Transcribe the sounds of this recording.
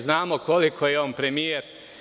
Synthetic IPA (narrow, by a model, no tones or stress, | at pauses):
znaːmo̞ko̞likʰo̞jeonpɾe̞mijeɾ